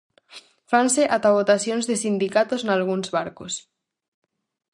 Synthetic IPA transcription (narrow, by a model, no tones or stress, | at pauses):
fanseʔat̪aβot̪asjonzðesind̪ikat̪oznalɣ̞unzβaɾkos